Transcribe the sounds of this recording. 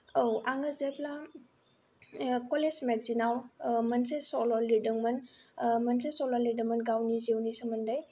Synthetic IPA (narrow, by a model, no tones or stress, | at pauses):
owaŋəzepla | kɔlezmeɡ̚zinawmɐnsesɔlɔlidɯŋmɐnmɐnsesɔlɔlidɯŋmənɡawnizewnisɯmɐndaj